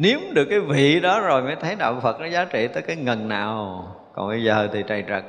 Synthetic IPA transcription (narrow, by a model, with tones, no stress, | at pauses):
ni˨˦əmɗɨ˨˩əkːaː˨˦jvḭ˧˨ɗɔ˨˦zo˨˩jməː˨˦jt̪ʰə˨˦jɗa̰˧˨wŋ͡mfə˨˩t̚nɔ˨˦zaː˨˦t͡ɕḭ˧˨t̪əː˨˦jkaː˨˦jŋə˨˩nːaː˨˩w | kɔ̰˨˩nɓə˧jzəː˨˩t̪ʰi˨˩t͡ɕa˨˩jzə˨˩k̚